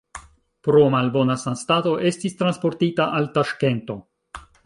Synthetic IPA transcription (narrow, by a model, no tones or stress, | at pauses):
pɾo̞malbo̞nasanstato̞ʔe̞stistɾanspo̞ɾtitaʔaltaʃke̞nto̞